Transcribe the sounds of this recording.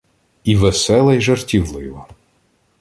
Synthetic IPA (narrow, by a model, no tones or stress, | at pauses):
iʋesɛlˠɐjʒɐrtʲiwlˠɪjʋɔ